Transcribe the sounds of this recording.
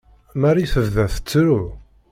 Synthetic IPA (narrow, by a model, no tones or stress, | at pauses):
maɾiθəvðæθə̥t͡sːɾu